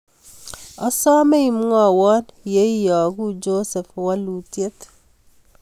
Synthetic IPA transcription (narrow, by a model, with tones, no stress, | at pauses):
ɔ˦sɔ˦me˦i˨mu˦ŋɔ˨wɔ˦nje˦jɔ˨ɡu˦d͡ʒo˦sɛ˨fwa˦lu˨tje˦t